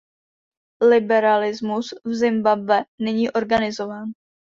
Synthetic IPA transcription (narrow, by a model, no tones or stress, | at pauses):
lɪbɛɾalɪzmusvzɪmbabvɛnɛɲiːʔo̞ɾɡanɪzo̞vaːn